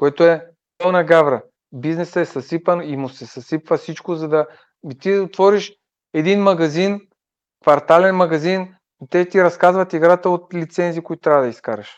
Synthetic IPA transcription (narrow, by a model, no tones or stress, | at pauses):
koɛt̪oɛ | pɔnɐɡavɾɐ | biznɛsəɛsɐsipənimʊsɛsɐsipvəsit͡ʃkozɐd̪ɐ | it̪iot̪vɔɾiʃ | ɛd̪inmɐɡɐzin | kvɐɾt̪alɛnmɐɡɐzin | it̪ɛt̪iɾɐskazvɐt̪iɡɾat̪əot̪lit̪sɛnziːkoit̪ot̪ɾavəd̪ɐiskaɾɐʃ